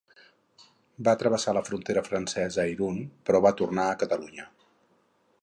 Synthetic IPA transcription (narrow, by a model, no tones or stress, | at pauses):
baət̪ɾəβ̞əsaləfɾunt̪eɾəfɾənsɛzəiɾunpɾɔβat̪urnaəkət̪əluɲə